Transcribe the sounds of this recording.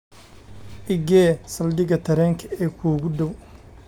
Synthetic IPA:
ʔɪɡɛːsɐld̪ɪɡɐt̪ʰɐɾɛːŋkʰɐɛːkʰuːɡʊd̪ɔw

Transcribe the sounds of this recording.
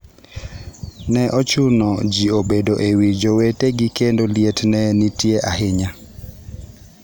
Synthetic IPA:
nɛʔɔt͡ʃʊnɔd͡ʒiobedoʔewid͡ʒoweteɡɪkendoljetnɛnitjeʔaɦɪɲa

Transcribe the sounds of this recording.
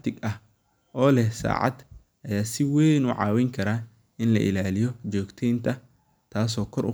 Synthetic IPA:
t̪ʰɪɡɐh | ʔɔːlɛhsa̰ːʕɑ̰d̪ | ʔɐjaːsɪwɛjnʊʕɑ̰ːwɛŋkʰɐɾaː | ʔɪnlɐ̰ʔɪ̰laːlɪjɔt͡ʃɔːɡt̪ʰɛjnt̪ʰɐ | t̪ʰaːs̬ɔːkʰɔɾʔʊ̰

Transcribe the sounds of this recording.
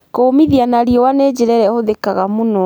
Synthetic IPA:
komiðianaɾiɔwaned͡ʑeɾɛɾɛhoðekaɣamonɔ

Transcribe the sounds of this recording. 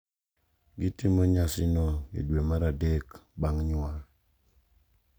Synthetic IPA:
ɡɪtimoɲasɪnɔḛdwemaɾadekbaŋɲʊa

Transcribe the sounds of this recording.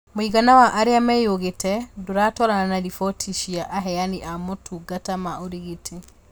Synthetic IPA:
moiɣanawaʔaɾeamɛjoɣetɛdoɾaːtɔɾananaðifɔtʰiʃiaʔaɦɛjaniʔamotʰuɡatamaoɾiɣetʰe

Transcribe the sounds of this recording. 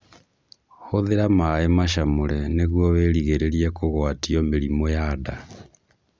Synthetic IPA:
hoðeɾamaemaʃamoɾɛneɣwɔβeːɾiɣeɾeɾiɛkoɣwatiɔmeɾimojada

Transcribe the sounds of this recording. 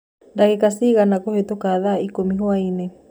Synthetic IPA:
ndaɣekasiɣanakohetokaðaikomiɦwainɛ

